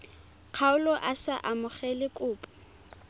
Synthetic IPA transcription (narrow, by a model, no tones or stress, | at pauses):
q͡χʰaʊlɔʔasaʔamʊχɛlɪkʼʊːpʼɔ̥